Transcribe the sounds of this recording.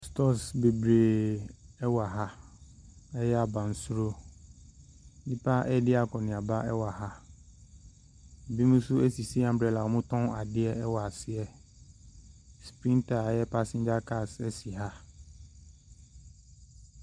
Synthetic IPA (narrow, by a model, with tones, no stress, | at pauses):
stɔ˦sbe˨bɾeː˨ | ɛ˦wa˨ɦa˦ | ɛ˦jɛ˦a˨bã˨n̩˨su˦ɾo˦ | nĩ˦pʰa˦ʔɛ˦dɪ˦a˨kʰɔ˨nɪ̃˨a˨ba˦ʔɛ˦wa˨ɦa˦ | m̩˨bi˦mũ˦sʊ˦ɛ˦si˨si˦ã˨m̩˨bɾɛ˨la˨ɔ˨mʊ̃˦tʰɔ̃˦a˨dɪ˦ɛ˦ɛ˦wa˨sɪ˦ɛ˨ | spɾĩ˦ntʰa˨a˨jɛ˦pʰa˦sĩ˦ɲd͡ʑa˦kʰa˦˨sɛ˦si˨ɦa˦